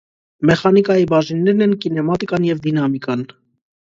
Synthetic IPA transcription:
mɛχɑnikɑjibɑʒinːɛɾnɛnkinɛmɑt̪ikɑnjɛvd̪inɑmikɑn

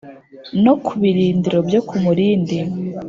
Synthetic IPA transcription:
no̞kʰuβiɾiːndiɾo̞bjokʰumuɾiːndi

